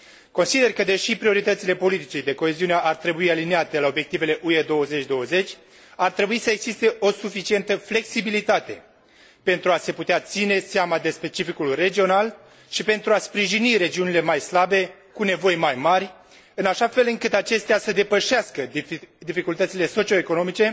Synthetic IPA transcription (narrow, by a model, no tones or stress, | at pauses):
ko̞nsid̪e̞rkəd̪e̞ʃipɾio̞ɾit̪ət̪sile̞po̞lit̪it͡ʃed̪e̞ko̞e̞ziuneʔart̪ɾe̞buialineat̪e̞lao̞bje̞k̚t̪ive̞le̞ʔued̪o̞wəze̞t͡ʃʲd̪o̞wəze̞t͡ʃʲ | art̪ɾe̞buisəe̞ɡz̥ist̪e̞ʔo̞sufit͡ʃie̞nt̪əfle̞ksibilit̪at̪e̞̰ | pe̞nt̪ɾuase̞put̪eat̪sine̞seamad̪e̞spe̞t͡ʃifikulre̞d͡ʒio̞nal | ʃipe̞nt̪ɾuaspɾiʒiniɾe̞d͡ʒiunile̞majslabe̞ | kune̞vo̞jmajmarʲ | ɨnaʃafe̞lɨŋkɨt̪at͡ʃe̞st̪easəd̪e̞pəʃeaskəd̪ifikult̪ət̪sile̞so̞t͡ʃio̞eko̞no̞mit͡ʃe̞